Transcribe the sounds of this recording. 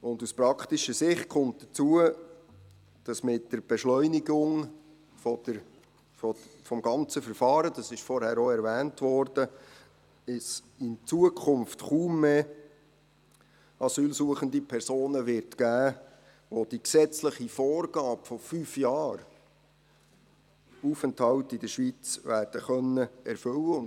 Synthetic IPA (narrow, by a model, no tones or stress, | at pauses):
ʊnduspɾɑkʰtiʃəsɪχt̚kʰʊmt̚d̥ət͡suə | d̥ɑsmɪtdəɾb̥ɛʃlœʏniɡʊŋ | fɔ̥ə | ɔfɔmɡɑnt͡səfəɾfɑːɾədɑsɪʃfɔɾhæːɾoɛɾvæːntʋɔɾd̥ə | ɪs | ɪnt͡suəkʰʊmftχuːmːeː | ɑsyːlsuəχəndipʰɛɾsoːnəʋɪɾtkæː | ʋod̥iksɛt͡sləχifɔːrɡ̥ɑːpfɔfyːfjɑːɾ | uːfənthɑwtɪd̥əɾʃʋit͡sʋæːɾd̥əχœnːəɛɾfɵləʊn